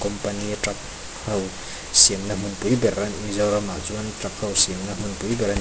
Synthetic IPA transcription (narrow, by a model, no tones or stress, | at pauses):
kɔmpanitɾak̚ | haw | siemnɐmɯnpujbeɾanizawɾamazuantɾak̚hawsiemnɐmunpujbeɾan